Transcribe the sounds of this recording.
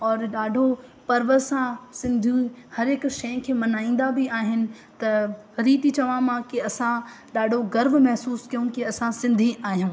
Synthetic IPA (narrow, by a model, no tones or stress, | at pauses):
ɔːɾɗaːɖʱopɐɾʋəsãsɪ̃nd̪ʱũhɐɾɪkʃɐj̃kʰeːmɐnaːĩːn̆d̪abɪaːɦɪnɪ̆ | t̪ɐ | ɾiːt̪it͡ɕɐʋãmãkiɐsã | ɗaːɖʱoɣɐɾʋmɐɦsuːskijũkiɐsãsɪ̃nd̪ʱiʔaːɦijũː